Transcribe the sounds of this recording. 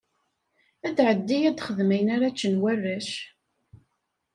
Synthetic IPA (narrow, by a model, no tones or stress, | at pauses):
æd̪ʕəd̪ːijæd̪χəðmijnaɾat͡ʃːənwærːæʃ